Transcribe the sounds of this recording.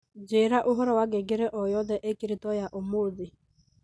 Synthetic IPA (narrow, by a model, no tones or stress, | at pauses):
d͡ʒeɾaʔʊɦɔɾɔwaɡeɡɪɾeʔɔjɔðɛʔekiɾitɔjaʔomoði